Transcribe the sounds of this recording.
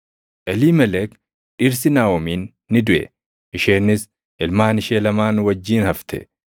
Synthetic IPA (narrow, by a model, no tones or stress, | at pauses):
ʔɛliːmɛlɛk | ᶑɪɾs̬ɪnaːwɔmiːnː | ɪd̪ʊʔɛ̰ | ʔɪʃeːnːɪs | ʔɪlmaːnɪʃeːlɐmaːnwɐd͡ʒːiːnhɐft̪ʰɛ̰